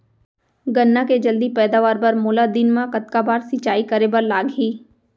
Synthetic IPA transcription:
ɡənːãked͡ʒəld̪ipɛːd̪aːʋaːɾpəɾmoːlad̪inmãkət̪kabaːɾsɪt͡ʃaːikəɾebəɾlaːɡɦiː

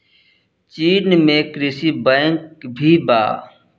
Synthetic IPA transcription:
t͡ʃiːnmẽkɾɪsibɛ̃ːŋkbʱiba̰ː

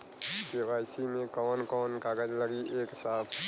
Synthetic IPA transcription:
t̪eʋaːjsimẽkɔːnkɔːnkaːɡəd͡ʒləɡiʔeːksaːpʰ

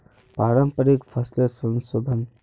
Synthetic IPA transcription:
paɾəmpəɾikfʰəslesə̃nsod̪ʱən

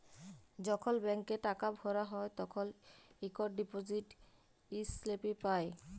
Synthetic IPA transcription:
d͡ʑɔkʰolbɛŋkeʈakabʱɔɾaɦɔet̪ɔkʰolikoɖɖipod͡ʑiʈ | islepipae

